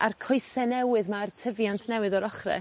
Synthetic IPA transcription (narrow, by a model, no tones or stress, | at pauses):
arkʰɔjsɛnɛwɨðmartʰəvjantʰnɛwɨðɔɾɔχrɛ̰